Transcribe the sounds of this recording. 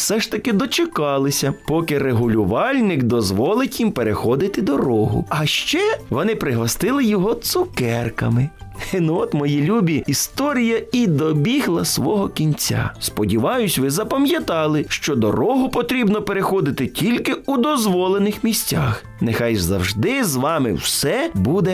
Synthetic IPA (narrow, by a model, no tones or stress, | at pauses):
sɛʃt̪ɐkɪd̪ɔt͡ʃɪkɑlˠɪsʲɐpɔkɪreɦʊlʲʊʋɑlʲnɪkd̪ɔzʋɔlˠɪtʲjimpeɾexɔd̪ɪt̪ɪd̪ɔɾɔɦʊ̰ɐʃt͡ʃɛʋɔnɪpɾɪɦɔst̪ɪlˠɪjɔɦɔt̪sʊkɛrkɐmɪnuɔt̪mɔjilʲubʲiist̪ɔɾʲijɐid̪ɔbʲiɦlˠɐsʋɔɦɔkʲinʲt͡sʲa̰spɔdʲiʋɑjʊsʲʋɪzɐpɐmʲjɐt̪ɑlˠɪʃt͡ʃɔd̪ɔ̰ɾɔɦʊpɔt̪ɾʲibnɔpeɾexɔd̪ɪt̪ɪtʲilʲkɪud̪ɔzʋɔlˠenɪxmʲisʲtʲɑx | nexɑjzɐ̰wʒd̪ɪzʋɑmɪ̰wsɛbud̪ɛ